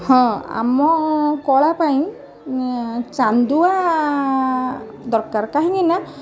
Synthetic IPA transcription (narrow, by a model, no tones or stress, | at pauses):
hɔ̃a̰mɔkɔlapajn | t͡ʃand̪uwa | d̪ɔɹkaɹkaɦiŋina